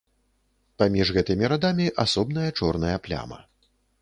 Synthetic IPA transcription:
pamʲiʐɣɛt̪ɨmʲiɾad̪amʲiʔasɔbn̪ɐjɐt͡ʂɔrn̪ɐjɐplʲa̰mɐ̰

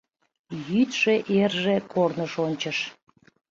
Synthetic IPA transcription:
jyt̪ʃeʔerʒekʰornəʃonʲt͡ɕəʃ

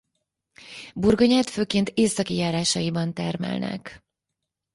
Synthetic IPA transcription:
burɡoɲaːt̪føːkeːnt̪eːsɒkijaːɾaːʃɒjibɒnt̪ɛrmɛ̰lnɛ̰k

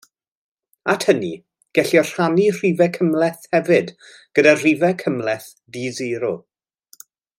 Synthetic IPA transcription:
atʰhəni | ɡ̥ɛɬjɔr̥anir̥iːvɛkʰəmlɛθhɛvɨd | ɡ̥ədar̥ivɛkʰəmlɛθ | diziɾɔ

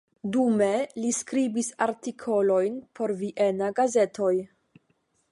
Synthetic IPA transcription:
dume̞liskɾibisaɾtikʰo̞lo̞jnpʰo̞ɾviʔe̞naɡaze̞tʰo̞j

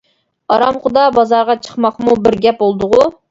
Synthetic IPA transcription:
ɑɾɑmχʊd̪ɑbɑzɑɾʁɑt͡ʃʰə̥χmɑχmubɪɾɡʲɛp̚bolˠd̪ʊʁʊ

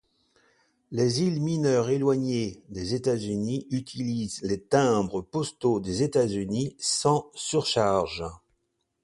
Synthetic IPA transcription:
lezilminœʁelwaɲed̪ezet̪azyniyt̪ʰilizlet̪ɛ̃bʁəpɔst̪od̪ezet̪azynisɑ̃syʁʃaʁʒ

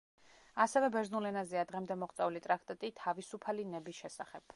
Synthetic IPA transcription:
asɛvɛbɛɾznulɛnaziad̪ʁɛmd̪ɛmɔχt̪sʼɛulit̪ʼɾak̚ʰt̪ʼat̪ʼit̪ʰavisupʰalinɛbisʃɛsaχɛb̥

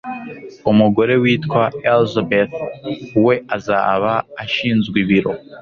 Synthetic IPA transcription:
umuɡo̞ɾe̞wiːtkwaelzabeθuwe̞ʔaza̰ːβaːʃiːnzɡwiβiɾo̞

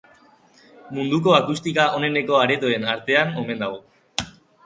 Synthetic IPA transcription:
mund̪uko̞akust̪ikao̞ne̞ne̞ko̞aɾe̞t̪oe̞naɾt̪e̞ano̞me̞nd̪aɣ̞o̞

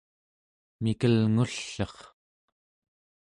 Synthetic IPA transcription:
mikəlŋuɬːʌχ

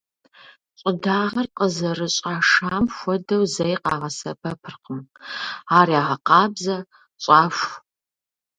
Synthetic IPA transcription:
ɕʼɪdaːʁɐrqəzɐrɨɕʼaːʂaːmxʷɔdɐwzɐjqɑːʁɐsɐpʰɐpʰɨrqəm | aːrjaːʁɐqɑːbzɐ | ɕʼaːʃʷ

